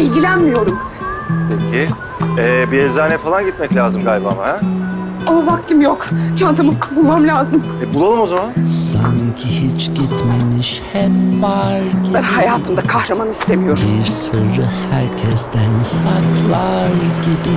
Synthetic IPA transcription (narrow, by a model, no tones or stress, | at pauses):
ilʲɟʲilʲænmijo̞ɾumpʰecʰɪ | ɛbiezaːnɛfalˠanɟit̪mɛclʲaːzɯmɡalʲbamahɛ | ovak̚t̪ʰɯmjokt͡ʃʰant̪ʰɯmɯbulˠmamlʲaːzɯmɛbulˠalˠɯmo̞zamansaŋcʰihit͡ʃɟit̪memiʃhɛmvaɾɟihajaːt̪ʰɯmd̪akʰahɾamanist̪ʰe̞mijo̞ɾbiɾsɯɾɯhæɾcʰɛsd̪ænsaklˠaɾɟibi